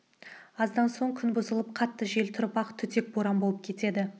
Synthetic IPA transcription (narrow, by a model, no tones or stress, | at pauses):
ɑzd̪ɑnso̞ɴkʲʰʏnbʊzəlˠəpqʰɑt̪ːəʒe̞lt̪ʰʊɾəpɑqt̪ʰʏt̪e̞k̚boɾɑmboəp̚kʲʰe̞t̪e̞d̪ɪ